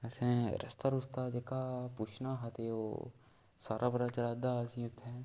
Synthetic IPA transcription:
əsɛ̃ːɾʔə̰st̪aɾʊst̪aːd͡ʒeːkaːput͡ʃʰnaːɦat̪eo̰ː | saːɾʔaːbɾat͡ʃəɾaːd̪aːsĩːʊt̪ʰːɛː

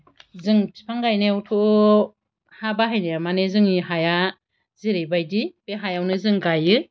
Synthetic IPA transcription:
zɯŋpʰaŋɡajnewtʰo | habaɦajnejamanezɯŋiɦaja | ziɾejbajdipeɦajawnɯzɯŋɡajɯ

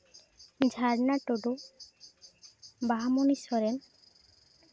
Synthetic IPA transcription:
d͡ʒʱaɾnaʈoɖu | baɦamonisɔɾen

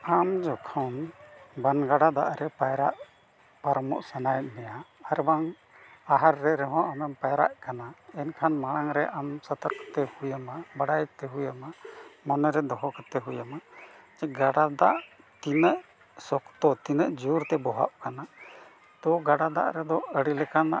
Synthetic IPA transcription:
amd͡ʒɔkʰanbanɡaɽad̪a̰ʔɾɛpajɾaʔ | paɾmɔ̰ʔsanajt̪̚ˀnɛjaaɾbaŋ | aɦaɾːɛɾɛɦɔ̃ʔamɛmpajɾa̰ʔkanaɛnkʰanmaɽ̃aŋɾɛʔamsət̪əɾkə̥t̪ɛhujamabaɽajt̪ɛɦujamamɔnɔɾɛd̪ɔɦɔkət̪ɛɦujamad͡ʒɛɡaɽad̪aʔ | t̪inəʔ | sɔkt̪ɔt̪inəʔd͡ʒuɾt̪ɛbɔɦa̰ʔkana | t̪ɔɡaɽad̪a̰ʔɾɛd̪ɔəɽilɛkana̰

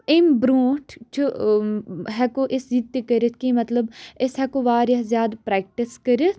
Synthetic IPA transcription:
ɪmbɾuːʈʰt͡ʃʰu | ɦɛkoʔɪszid̪t̪ikəɾət̪ʰkimɐt̪ləbɪsɦɛkoʋaːɾjɐzjaːd̪pɾɛːk̚ʈiskəɾət̪ʰ

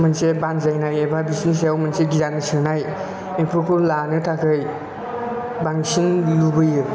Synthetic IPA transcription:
mansebanzajnajebʰabisnis̬eawmanseɡizansɯnaj | epʰɯkʰulanɯtʰakʰɯj | baŋsinlubɯjɯ

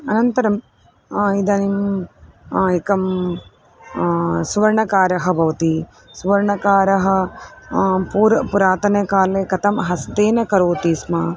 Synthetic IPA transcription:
ɐnɐnt̪ɐɾɐm | id̪ɐnim | ikɐm | sʋɐɾɳɐkaːɾɐɦɐ̆bʱɐʋɐt̪i | suʋɐɾɳɐkaːɾɐɦɐ̆ | puːɾpuɾaːt̪ɐnekaːlekɐt̪ɐmɦɐst̪eːnɐkɐɾoːt̪iːsmaː

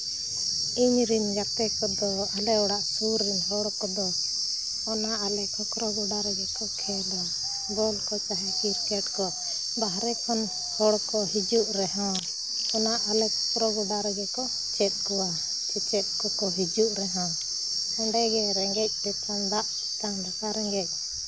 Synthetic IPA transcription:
iɲɾind͡ʒat̪ɛkɔd̪ɔalɛɔɽaʔsuɾːinɦɔɽkɔd̪ɔ | ɔnaʔalɛkʰɔkɾɔɡuɖaɾɔd͡ʒɛkɔkʰɛlɔ | bɔlkɔt͡ʃaɦɛkiɾkɛʈ̚kɔ | baɦɾɛkʰɔn | hɔɽkɔɦid͡ʒuʔɾɛɦã | ɔnaʔalɛkʰɔkɾɔɡuɖaɾɔd͡ʒɛkɔ | t͡ʃɛt̪̚kɔwa | kʰit͡ʃɛt̪̚kɔkɔɦid͡ʒuʔɾɛɦã | səɳɖɛɡɛɾɛŋɡɛc̚d̪ɛt̪ʰɔnd̪aʔ | it̪and̪akaɾɛŋɡɛc̚ˀ

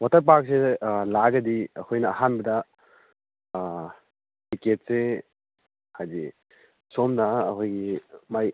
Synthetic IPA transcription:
watɐɾp̬ak̚selaɡɐdiɐkʰojnɐːɦanbɐdɐ | diket̚se | hajdi | somnaːkʰojɡimaj

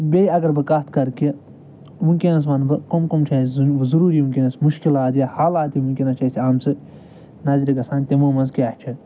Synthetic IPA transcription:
bʲejɐɡɐɾbɨkat̪ʰkɐɾkiɐ | muŋkʲinɐs̬ʋɐnbɨkomkomt͡ʃʰaːzɐɾuːɾiuŋkʲinɐsmuʃkilaːd̪ijɐhaːlaːt̪imuŋkʲinɐst͡ʃɐsʰiaːmt͡sɨ | nɐzɾʲiɡɐsaːnt̪imoːmɐnzkiaːt͡ʃʰɐ

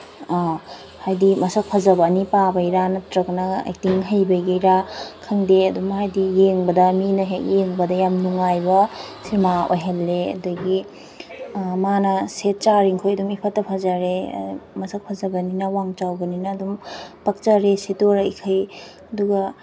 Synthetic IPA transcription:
hajdimɐsɐk̚pʰɐzɐbɐnipabɐjɾanɐtɾɐknɐḛk̚tiŋɦɐjbɐjɡɐjɾakʰɐŋdeɐdumhajdijeŋbɐdɐminɐɦekjeŋbɐdɐjamnuŋajbɐsimao̰jɦelːeɐ̰duɡi | manɐset̚t͡ʃaɾiŋkʰojɐdumipʰɐtːɐpʰazaɾḛmɐsɐk̚pʰɐzɐbɐninɐwaŋt͡ʃawɡɐninɐːdumpɐk̚t͡ʃaɾesitoɾɐikʰɐj | ɐduɡɐ

